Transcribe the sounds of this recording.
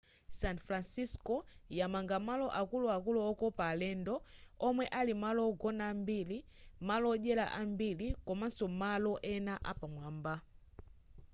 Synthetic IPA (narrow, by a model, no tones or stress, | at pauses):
sanfɾansiskɔjamaŋɡamalɔʔakuluakulɔɔkɔpalɛndɔːmwɛʔalimalɔɡɔnambili | malɔʄɛla̰ʔambilikɔmansɔmalɔʔɛnaʔa̰pamwaːmba